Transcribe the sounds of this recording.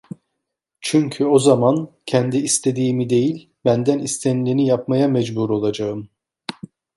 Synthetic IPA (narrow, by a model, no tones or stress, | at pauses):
t͡ʃʰyɲcʰyo̞zamancʰɛnd̪iːst̪ʰe̞d̪iːmid̪e̞jilʲ | bænd̪ænist̪ʰenlʲinijapmajamɛd͡ʒbuɾo̞lˠad͡ʒaɯm